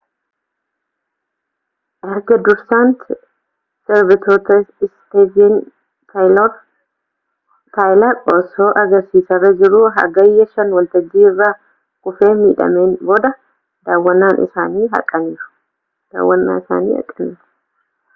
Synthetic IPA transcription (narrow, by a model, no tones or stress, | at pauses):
ʔɐɾɡɐd̪ʊɾsant̪ | sɛɾbɪt̪ʰoːt̪ɐɪst̪eːd͡ʒin | t̪ʰalo | t̪aːjlaːkʼoːso̞ːʔɐɡɐɾsiːsɐrɐd͡ʒɪɾuːɦɐ̰ɡɐjːɐʃɐnwɐlt̪ɐɡːiːɪrːaː | kʊfe̞ːmiːᶑɐ̰me̞ːnbo̞ːd̪ɐ | d̪aːwːɐnːaːnʔɪ̰saːniːɦɐ̰kʼːɐniːɾʊ̥ | d̪̥a̰ːwːɐnːa̰ːɪsa̰ːniːɐ̰kʼːɐniːɾʊ̥